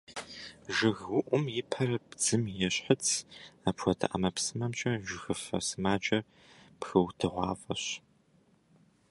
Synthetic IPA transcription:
ʒɪɣʊʔʷʊmjɪpʰɐɾɐbd͡zɨmjɛɕħət͡sʰaːpʰʷɔtʰa̰ʔɐ̰mɐpsɨmɐmt͡ʃʼɐʒʷɪxɨfɐ̰sɨmaːt͡ʃʼɐr | pxɨwtʰɨʁʷɑ̰ːfʼɐɕ

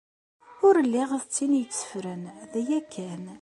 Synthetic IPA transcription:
ʊɾəlːɪʁəðt͡sːinjət͡sːə̥fɾənðæjækʰːæn

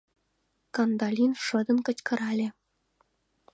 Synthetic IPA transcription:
kɑnd̪ɑlʲinʂɤ̆d̪ɤ̆nkɤ̆t͡ɕkɤ̆ɾɑlʲĕ

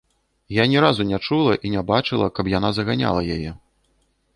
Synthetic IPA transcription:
janʲɛɾazunʲat͡ʂulˠɐʔinʲabat͡ʂɨlˠɐkɐpjanazɐɣanʲa̰lˠɐjajɛ

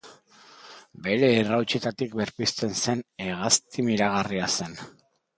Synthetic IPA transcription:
be̞ɾe̞ːrawt͡ʃet̪at̪ik̚be̞ɾpist̪e̞nse̞neɣ̞ast̪imiɾaɣ̞ariase̞n

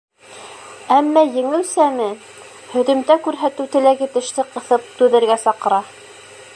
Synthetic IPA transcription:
æmːæjɘ̆ŋɘ̆w̪sæmɘ | hɵ̆ðɵ̆mt̪ækʉɾɦæt̪ɘwt̪ɘ̆læɡɘ̆t̪ɘ̆ʃt̪ɘqɤ̆θɤp̚t̪ʉðɘ̆ɾɡæsɑqɤ̆ɾɑ

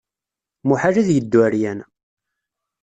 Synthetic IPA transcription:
muħaʒæðjəd̪ːwæɾjæn

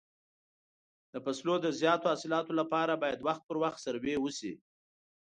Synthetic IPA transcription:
d̪̥əpaslod̪əzjɑt̪oasɪlɑt̪olapɑɾabɑjad̪waxt̪̚pəɾwaxt̪saɾwewəsḭ

